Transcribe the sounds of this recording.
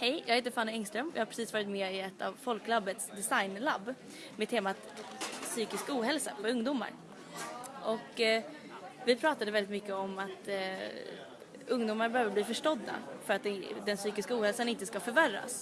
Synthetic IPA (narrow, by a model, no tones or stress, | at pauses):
hɛjjɑːɡaheːt̪əfanːɛŋst̪ɾœmjɑ̰ːhapʰɾɛsiːsvɑːɾɪt̪mɛɪɛt̪ʰːa̰vfɔlklabːət̪sd̪ɛsajnlabː | mɛdt̪ʰeːmat̪syːkɪskuːɦɛlsapʰɔɵŋd̪uːma̰ɾ | ʔɔk | vɪpʰɾɑːt̪ad̪əvɛld̪ɪt̪mʏkːəɔmat̪ | ɵŋd̪uːmaɾbɛhøːvəbliːfœʂʈɔd̪ːa̰fœɾat̪̚d̪ɛd̪ɛnsyːkɪskauːhɛlsanɪnt̪əskafœɾvæɾːa̰s